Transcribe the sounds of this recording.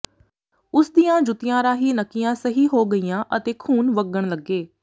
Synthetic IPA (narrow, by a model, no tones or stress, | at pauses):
ʊsd̪ijãːd͡ʒʊt̪ɪjãːɾaːɦiːnəkːijãːsəɦiːɦoːɡəiːjãːʔət̪eːkʰuːnʋəɡəɳ̃ləɡːeː